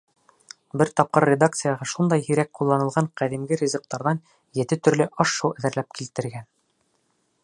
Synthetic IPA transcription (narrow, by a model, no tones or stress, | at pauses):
bɘɾt̪ɒp̚qɤɾʲːed̪ak̚t̪sɨjɑʁɑʃund̪ɑjhiɾæk̚qulˠːɑnɤ̆lˠʁɑɴqæðimɡɘɾʲizok̚t̪ɑɾðɑn | jɘ̆t̪ɘt̪ɵ̆ɾlɘʔɑʃːuwʔæðɘ̆ɾlæp̚kilt̪ɘ̆ɾɡæn